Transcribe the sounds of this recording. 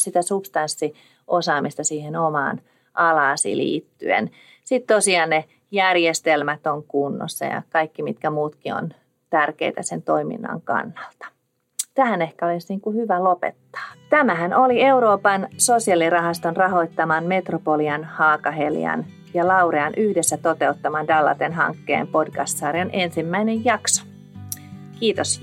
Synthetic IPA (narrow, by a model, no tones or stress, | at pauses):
sit̪æsupst̪ɑnsːi | ʔosɑːmist̪ɑsiːhenomɑ̰ːn | ʔɑlɑːsḭlḭːt̪ːy̰ḛn | sit̪t̪osiɑːnne | jærjest̪elmæt̪oŋkunːo̰sːɑ̰jɑ̰kɑikːimit̪kæmuːt̪kio̰n | t̪ærkḛit̪æsent̪oimḭnːɑ̰ŋkɑ̰nːɑlt̪ɑ̥ | t̪æhænehkæolisniːŋkuhyʋælopḛt̪ːɑ̥ːt̪æmæɦænʔolieuɾoːpɑnsosiɑlirɑɦɑst̪onrɑhoit̪ːɑmɑnme̞t̪ropoliɑnhɑːkɑɦeljɑ̰n | jɑlɑureɑnʔyhdesːæt̪ot̪eut̪ːɑmɑndɑlːɑ̰t̪enɦɑ̰ŋkːḛːmpodkɑst̪sɑːɾionensimːæinejjɑkso̥ | kiːt̪os